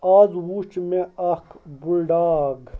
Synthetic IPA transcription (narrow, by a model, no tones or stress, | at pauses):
aːzwut͡ʃmeɐkbulɖaːɡ